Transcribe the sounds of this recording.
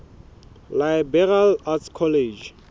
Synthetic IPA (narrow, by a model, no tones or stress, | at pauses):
lajbɛralatkʰɔled͡ʒ